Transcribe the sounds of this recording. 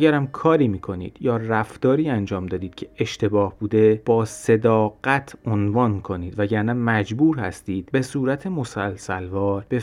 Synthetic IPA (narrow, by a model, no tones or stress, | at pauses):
ɟæɾæmkʰɒːɾiːmiːkʰo̞nḭːd̪̥jɒːræft̪ɒːɾiːænd͡ʒɒːmd̪ɒːd̪iːd̪̥cʰe̞eʃt̪e̞bɒːhb̥uːd̪e̞b̥ɒːse̞d̪ɒːɡ̥æt̪ʰo̞nvɒːnkʰo̞niːd̪væɟæɾnæmæd͡ʒbuːɾhæ̰st̪iːd̪̥be̞suːɾæt̪ʰe̞mo̞sælsælvɒːɾb̥e